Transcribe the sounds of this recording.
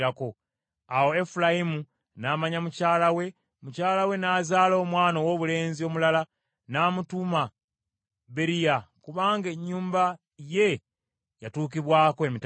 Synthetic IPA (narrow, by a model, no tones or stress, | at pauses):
ɾako̞ | awo̞efulaimu | naːmaɲamucaːlawe̞ | mucaːlawe̞naːzaːlo̞ːmwaːnowo̞ːβule̞ːnzio̞mulala | naːmutuma | βe̞ɾijakuβaːŋɡeɲːuːmba | je̞ | jatuːkiβwaːkoemit